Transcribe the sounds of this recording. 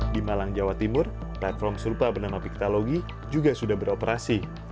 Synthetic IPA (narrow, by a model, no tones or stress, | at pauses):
dimalaŋd͡ʒawat̪imʊr | plat̪̚fɔrmsəɾupabənamapik̚t̪aloɡi | d͡ʒuɡasudahbəɾopəɾasi